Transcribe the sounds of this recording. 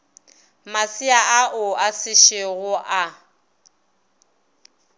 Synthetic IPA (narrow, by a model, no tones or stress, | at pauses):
masiaʔaʔʊasɪʃɪɣʊʔa